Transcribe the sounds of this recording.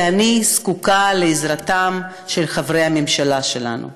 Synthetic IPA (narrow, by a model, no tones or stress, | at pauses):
aniskukaleːzʁatam | ʃe̞lχavʁejhamemʃalaʃela̰nṵ